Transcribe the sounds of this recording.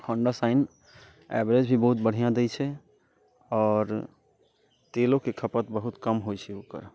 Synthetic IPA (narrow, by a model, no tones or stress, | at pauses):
hʰəɳɖəsaɪn | ɛ̰bɾed͡ʒbʱibəɦut̪̚bəɽ̤ijãd̪ɛjt͡ʃʰɛ | ɔːɾ | t̪elokekʰəpət̪bəɦut̪kəmɦojt͡ʃʰɛoːkə̰ɾ